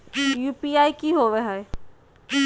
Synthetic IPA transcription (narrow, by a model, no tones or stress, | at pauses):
jupiajkiɦoʋeɦɔe